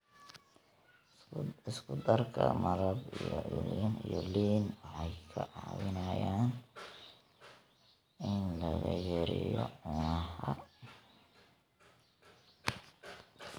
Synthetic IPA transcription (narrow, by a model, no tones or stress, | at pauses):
ɪskʰʊd̪ɐrkʰɐmɐɾɐbijɔʕɪlɪnijɔliːnwɑħɑjkʰɐʕɑ̰ːwɪnɐjaːn | ɪnlɐɣɐjɛɾɪjɔʊnɐħɐ